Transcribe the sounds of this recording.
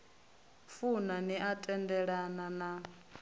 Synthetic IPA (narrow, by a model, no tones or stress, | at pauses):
funaniʔatʼɛndɛɺanana